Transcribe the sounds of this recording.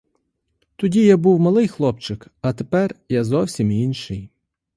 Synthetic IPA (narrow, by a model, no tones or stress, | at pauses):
t̪ɔdʲijabuwmɐlˠɪjxlˠɔpt͡ʃɪkɐt̪epɛrjazɔwsʲiminʃɪj